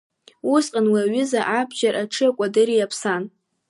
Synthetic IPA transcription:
usqʼanwaaɥʏzaʔabʒarʔaʈ͡ʂʰɨakʷʼadɨɾijapʰsan

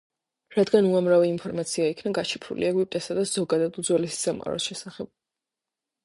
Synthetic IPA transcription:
ɾad̪ɡanuamɾavɛimpʰɔɾmat̪sʰiaikʰnaɡat͡ʃʰipʰɾṵlḭɛɡwipʼt̪ʼɛsad̪azɔɡad̪ad̪ud̪zwɛlɛsi̥samʁʼa̰ɾɔ̰sʃɛsaχɛb̥̚

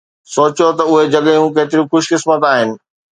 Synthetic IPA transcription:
soːt͡ɕot̪ɐʊɦed͡ʑɐɠjũkeːt̪ɪɾĩxʊʃkɪsmət̪aːɦɪnɪ̆

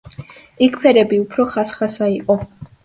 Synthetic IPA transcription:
ikʰpʰɛɾɛbiupʰɾɔχasχasaiqʼɔ

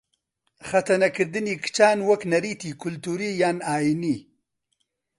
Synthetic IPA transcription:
xɐt̪ɐnɐkəɾd̪inikt͡ʃaːnwɐknɐɾit̪ikʊlt̪uɾijaːnaːjini

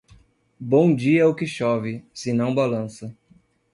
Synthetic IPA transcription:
bõw̃d͡ʒiɛʊkɪʃɔvɪsɪnɐ̃w̃balɐ̃sɐ

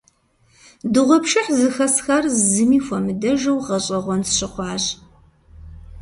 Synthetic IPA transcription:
dɨʁʷɔpʃɪħzɨxɐsxɐrzɨmiːxʷɐmɨdɐʒɐwʁɐɕʼɐʁʷɔnsɕɪqʷɑːʑ

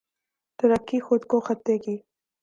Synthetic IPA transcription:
t̪əɾəkːixʊd̪koxat̪̚eɡi

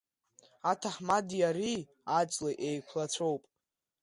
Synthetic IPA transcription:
atʰaħmadiaɾi | at͡ʃʼlaʔejkʷʰlat͡ɕʷʰo̞wpʼ

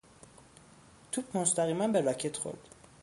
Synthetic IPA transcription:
t̪ʰubʰmost̪æɣiːmænbeɾɒcʰet̪ʰxo̰ɾd̪̥

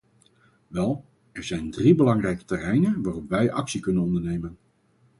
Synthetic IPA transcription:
ʋɛlˠ | ɛɹzɛjndribəlɑŋrɛjkə̥tɛrɛjnənʋaːrɔpʋɛjʔɑksikɵnənɔndəɹnejmən

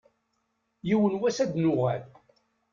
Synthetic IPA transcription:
jiwənwæsæd̪nʊʁæl

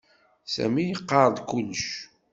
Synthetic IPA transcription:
sæ̰mijəqːɑɾˤd̪kulːəʃ

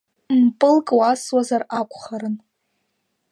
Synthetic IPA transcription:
mpʼɨlkʼwaswazarakʷʰʼχaɾɨn

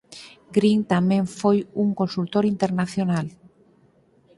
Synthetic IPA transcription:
ɡɾiŋt̪amẽɱfojuŋkonsult̪oɾint̪eɾnaθjonal

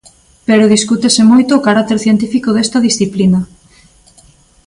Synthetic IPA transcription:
peɾoð̞iskut̪esɪmojt̪oːkaɾak̚t̪eɾθjent̪ifikoðest̪ɐðisθiplinɐ

